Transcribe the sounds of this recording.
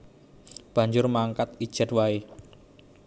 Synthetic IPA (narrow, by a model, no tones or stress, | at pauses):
b̥a̤ɲd͡ʒʊɾmaŋkat̪̚id̥ʒ̥a̤t̪̚wae